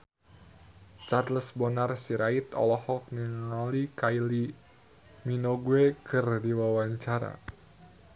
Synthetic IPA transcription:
t͡ʃarləsbɔnarsiɾait̪ɔ̰lɔhɔk̚niŋalikajli | minoɡwekɨrdiwawaɲt͡ʃaɾa̰

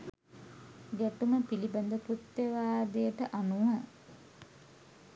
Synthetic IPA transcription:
ɡæʈuməpiliband̪əpɾut̪ːjeʋaːd̪ejəʈəʔanumə

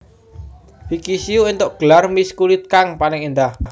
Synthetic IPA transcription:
fikisiuint̪oʔɡ̥əlarmiskulit̪̚kaŋpanɪŋind̪ah

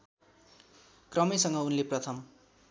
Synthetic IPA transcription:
krʌmisʌŋɡʌunleprʌt̪ʰʌm

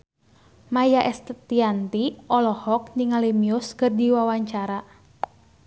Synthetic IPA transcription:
majaʔɛst̪t̪iant̪iʔɔlɔhɔk̚niŋalimiʊskɨrdiwawaɲt͡ʃaɾa

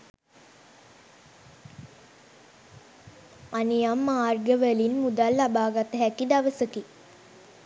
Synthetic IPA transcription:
anijamːaːrɡəʋəlinmud̪alːabaːɡat̪əɦækid̪aʋəsəki

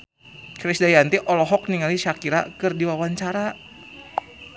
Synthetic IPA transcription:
kɾisdajant̪iʔɔlɔɦɔk̚niŋaliʃakiɾa̰kɨrdiwawaɲt͡ʃaɾa

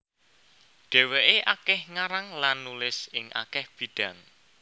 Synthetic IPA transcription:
ɖ̥e̤weʔeʔakɛhŋaɾaŋlanːulɪsɪŋʔa̰kɛhb̥i̤d̥a̤n

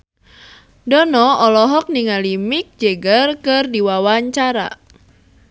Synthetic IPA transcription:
dɔnɔɔlɔɦɔk̚niŋalimik̚d͡ʒɛɡərkɨrdiwawaɲt͡ʃaɾa̰

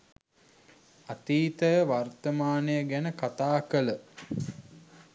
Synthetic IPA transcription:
at̪iːt̪əʋart̪əmaːnəjəɡænəkat̪aːkələ

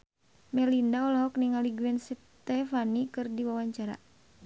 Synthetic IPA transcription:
mɛlindaɔlɦɔkniŋaliɡuwɛns | t̪ɛfanikɨrdiwawaɲt͡ʃaɾa̰

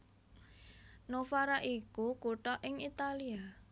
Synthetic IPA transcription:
nofaɾaʔikukuʈɔʔɪŋit̪alia

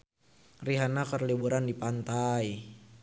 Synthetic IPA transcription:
riɦanakərlibuɾandipant̪aj

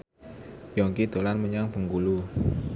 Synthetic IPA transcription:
jɔŋkid̪̥o̤lanməɲaŋb̥ə̤ŋkulu

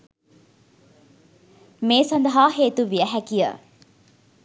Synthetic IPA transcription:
meːsɐnd̪ɐɦaːɦeːt̪uʋiəɦækijə̰

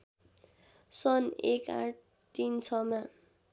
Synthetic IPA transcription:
sʌneka̰ʈ̚ʰ | t̪int͡sʰʌma

